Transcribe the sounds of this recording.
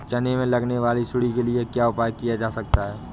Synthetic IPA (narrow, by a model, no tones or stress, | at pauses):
t͡ʃɐnemẽlɐɡneʋaːlisʊɽikeliekjaʊpaːjkijad͡ʒaːsɐk̚t̪aɦɛː